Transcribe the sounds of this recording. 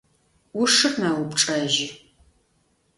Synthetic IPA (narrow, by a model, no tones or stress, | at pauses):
wʊʂɨχnaːwʊpʈ͡ʂʼɐːʒɪ